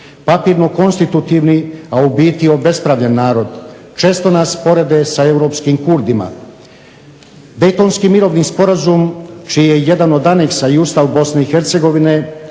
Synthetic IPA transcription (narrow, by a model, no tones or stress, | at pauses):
papiːɾno̞ko̞nst̪it̪ut̪iʋniaubiːt̪io̞be̞spɾaʋʎenːaːɾo̞d̪ | t͡ʃe̞ːst̪o̞naspo̞ɾe̞d̪e̞sae̞wɾo̞ːpskimkuɾd̪ima̰ | d̪e̞jt̪o̞nskimiɾo̞ːʋnispo̞ɾazumt͡ʃiːjeje̞d̪ano̞d̪ane̞ksaiust̪aʋbo̞sne̞ixe̞ɾt̪se̞ɡo̞ʋine̞